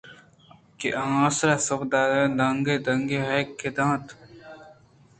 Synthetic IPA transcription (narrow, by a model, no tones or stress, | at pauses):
kḛʔaãːsɾasɐbd̪aːɾẽd̪ɐŋɡed̪ɐŋɡeɦɐkʰːed̪ãːt̪